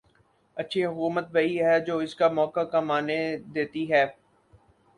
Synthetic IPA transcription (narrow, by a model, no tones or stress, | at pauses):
ɐtːʃʰiɦʊkuːmət̪̚bɐiɦɛd͡ʒoːɪskamɔːkakɐmaːned̪eːt̪iɦɛː